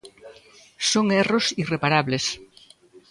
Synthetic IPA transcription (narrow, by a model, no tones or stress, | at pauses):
soŋɛrosirepaɾaβles